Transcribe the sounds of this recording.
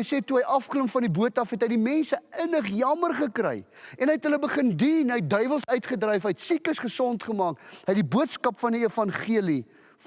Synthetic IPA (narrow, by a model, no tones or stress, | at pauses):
jseːtuɦəjʔɐfkləmfɐndibuətɐfɦɛtɦəjdimɛnsəənəχjɐmərχəkrɛ̰jɛnɦəjɛtɦələbəχəndinəjt̚dœɥvəlˠsœɥtχədrɛjfɦəjtsikəsχəsɔntχəmɑːkɦəjdibuətskɐpfɐndiifɐnχiəli